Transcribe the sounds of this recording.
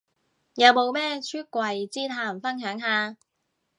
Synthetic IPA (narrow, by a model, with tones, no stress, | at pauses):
jɐ˨˧wmo˨˧wmɛː˥t͡ʃʰyː˥t̚kʷwɐ˨˧jt͡siː˥t̪ʰaː˧˩m˨fɐ˥nɦœː˨˥ŋɦaː˨˧